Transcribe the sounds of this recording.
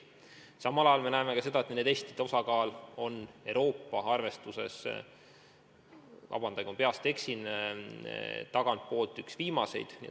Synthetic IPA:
sɑmɑlɑjɑlme̞næeme̞kɑse̞d̪̥ɑet̪ned̪est̪id̪o̞sɑkɑːlo̞ne̞wɾo̞ːpːˑɑɑrve̞st̪use̞̰s | vɑ̰b̥ɑnd̪̥ɑjɡompeɑst̪e̞ksin | t̪ɑɡ̥ɑnt̪̚po̞ːlt̪ːˑyksviːmɑse̞̰jd̪̥nḭ

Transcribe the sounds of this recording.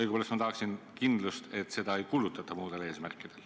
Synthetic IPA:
jɡupoːlest̪mɑt̪ɑhɑksinkind̪lust̪e̞t̪ːˑse̞d̪ɑe̞jkulut̪ːˑɑt̪ːˑɑmuːd̪̥e̞le̞ːsmærkːˑid̪̥e̞l

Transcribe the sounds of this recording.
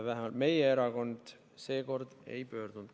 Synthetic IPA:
væɦemɑlt̪me̞jeeɾɑko̞nd̪̥ | se̞ːko̞rd̪̥e̞̰jpø̞ːrd̪̥und̪̥

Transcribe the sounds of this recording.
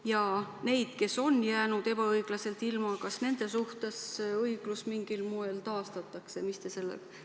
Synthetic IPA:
jɑne̞jd̪̥ke̞so̞njæːnud̪̥e̞b̥ɑɤjɡ̥lɑse̞lt̪ilmɑkɑsne̞nd̪̥e̞suht̪e̞sɤjɡ̥lusmiŋɡ̥ilmoe̞lt̪ɑːst̪ɑt̪ːˑɑkse̞mist̪ese̞lːḛk

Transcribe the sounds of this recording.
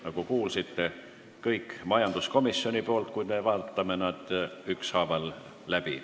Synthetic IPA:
nɑkukuːlsit̪ːe̞ | kɤjkːmɑjɑnd̪̥usko̞misːjo̞nʲipo̞ːlt̪̚kuj̪mevɑːt̪ːˑɑmenɑd̪̥ykshɑːvɑlː | æb̥i

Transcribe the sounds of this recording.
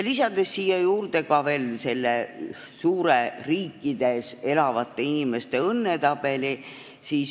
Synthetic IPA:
lisɑd̪̥e̞sːiːjɑjuːrd̪̥e̞kɑve̞ːlse̞lːe | suːɾeriːkːˑid̪̥e̞se̞lɑvɑt̪ˑːe̞inime̞st̪e̞ɤnːe̞t̪ɑb̥e̞li | siːs

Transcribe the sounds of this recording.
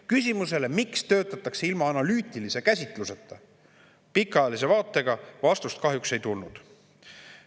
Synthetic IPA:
kys̬ʲimuse̞le̞mikst̪ø̞ːt̪ːˑɑt̪ːˑɑkseilmɑːnɑlyːt̪ːˑilise̞kæsʲit̪ˑluse̞t̪ːˑɑ | pikːˑɑjɑlis̬e̞vɑːt̪ːˑe̞ɡ̥ɑvɑst̪ust̪̚kɑɦjukse̞jt̪ulnud̪̥

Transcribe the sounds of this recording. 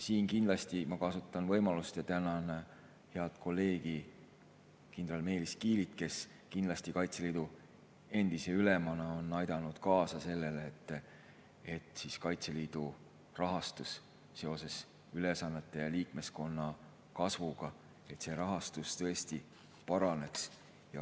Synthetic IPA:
siːnkind̪lɑst̪imɑkɑsut̪ːˑɑnvɤ̞jmɑlust̪jɑt̪ænɑn | he̞ɑd̪̥kʰo̞lːe̞ːɡ̥i | kind̪rɑlme̞ːliskiːlit̪ke̞s | kind̪lɑst̪ikɑjt̪se̞liːd̪u | e̞nd̪̥ise̞ylemɑnɑo̞nːɑjd̪̥ɑnud̪̥kɑːsɑse̞lːe̞leːt̪ːˑ | e̞t̪ːˑsiskɑjt̪se̞liːd̪̥u | rɑɦɑst̪usː | e̞o̞se̞s | yle̞sɑnːe̞t̪ːˑe̞jɑliːkme̞sko̞nːɑ | kɑsvuɡ̥ɑ | e̞t̪se̞ɾɑɦɑst̪ust̪ɤ̞est̪i | pɑɾɑne̞ks | jɑ

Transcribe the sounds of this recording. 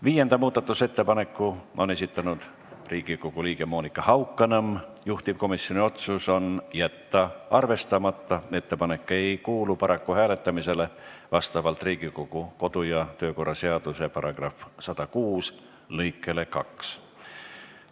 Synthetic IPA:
viːje̞nd̪̥ɑmuːd̪ɑt̪ːˑuse̞t̪ːe̞pɑne̞kːˑuo̞nesit̪ːˑɑnud̪̥ | riːɡ̥ikoɡ̥uliːɡ̥e̞mo̞ːnikːˑɑhɑwkˑːɑnɑmjuht̪ipko̞misjo̞nio̞t̪suso̞njæt̪ːɑɑrve̞st̪ɑmɑt̪ːɑe̞t̪ːe̞pɑne̞kːˑe̞jkuːlupɑɾɑkːuhæːle̞t̪ːˑɑmise̞le̞vɑst̪ɑvɑlt̪riːɡ̥ikoɡ̥uko̞d̪̥ujɑt̪ø̞ːko̞rːɑse̞ɑd̪̥use̞pɑɾɑɡ̥rɑfsɑd̪̥ɑkuːs | lɤjkːˑe̞le̞kɑks

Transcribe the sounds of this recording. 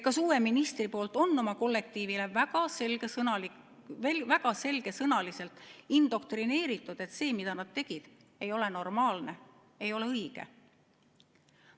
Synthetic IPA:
kɑsuːwe̞minist̪ripo̞ːlt̪ˑo̞nːo̞mɑko̞lːe̞k̚t̪iːvile̞væɡ̥ɑsele | væɡ̥ɑse̞lɡ̥e̞sɤnɑlise̞lt̪ˑind̪̥o̞k̚t̪rine̞ːɾit̪ːˑud̪̥e̞t̪se̞ːmid̪̥ɑnɑd̪̥̚t̪e̞ɡ̥id̪̥ | e̞jo̞le̞no̞rmɑːlne̞ | e̞jo̞le̞ɤjɡ̥ḛ

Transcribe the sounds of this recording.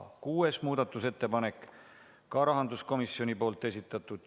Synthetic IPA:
kuːesmuːd̪ɑt̪ːˑuse̞t̪ːe̞pɑnek | kɑɾɑɦɑnd̪usko̞misːjo̞nʲipo̞ːlt̪ːˑe̞s̬ʲit̪ːˑɑt̪ːˑud̪̥

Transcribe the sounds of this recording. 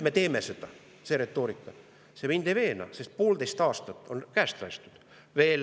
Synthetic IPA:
me̞t̪e̞ːmesed̪̥ɑ | seɾe̞t̪ːˑo̞ːɾikːˑɑ | semind̪ejve̞ːnɑ̰sest̪̚poːld̪e̞jst̪ɑːst̪ɑt̪ːˑo̞nkæːst̪lɑjst̪ud̪̥ | ve̞ːl

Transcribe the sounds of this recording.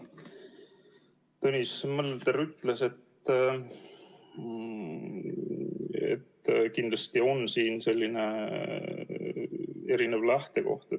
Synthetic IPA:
t̪onʲismɤlːt̪eɾyt̪ˑlese̞t̪ | ḛt̪ːkind̪lɑst̪io̞nsiːnse̞lʲːine̞ | e̞ɾinevlæht̪e̞ko̞̰ht̪e

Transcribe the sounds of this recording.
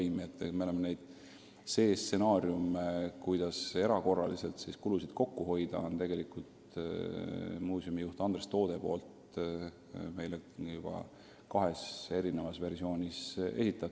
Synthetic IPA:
jmiet̪ːmeo̞lemene̞jd̪̥ | se̞ːsːe̞nɑːɾjumkujd̪̥ɑse̞ɾɑko̞rːɑ̰lise̞lt̪siskulusid̪̥ko̞kːuɦo̞jd̪̥ɑont̪e̞ɡ̥e̞likult̪ | muːsjumijuht̪ɑnd̪rest̪o̞ːd̪̥epo̞ːlt̪ | me̞jlejub̥ɑ̰ | kɑɦe̞se̞ɾine̞vɑsve̞rsio̞ːnʲise̞̰sit̪ːˑɑt̪ː

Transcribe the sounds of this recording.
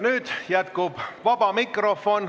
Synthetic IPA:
nyːd̪̥jæt̪kub̥vɑb̥ɑmikrofon

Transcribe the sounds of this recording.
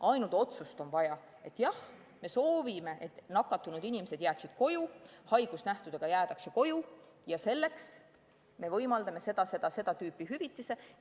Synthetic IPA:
ɑjnult̪o̞t̪sust̪o̞nvɑjɑ | e̞t̪ːˑjɑh | me̞so̞ːvime̞ʔet̪nɑkːˑɑt̪ːˑunud̪inimese̞d̪̥jæːksid̪̥ko̞juhɑjɡ̥usnæht̪ud̪̥eɡ̥ɑjæːt̪ɑkseko̞ju | jɑse̞lːe̞ks | me̞vɤjmɑld̪ɑme̞se̞d̪̥ɑse̞d̪̥ɑse̞d̪ɑt̪yːpːˑiɦyvit̪ːˑise̞

